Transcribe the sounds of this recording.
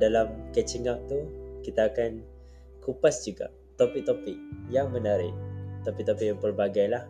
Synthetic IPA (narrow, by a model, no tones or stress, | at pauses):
dalamkɛt͡ʃiŋaʔ̚t̪ukit̪aːkan | kupasd͡ʒuɡa̰ | t̪opik̚t̪opik̚jaŋmə̃naɾɪʔt̪apikt̪opik̚jaŋpərbaɡajlah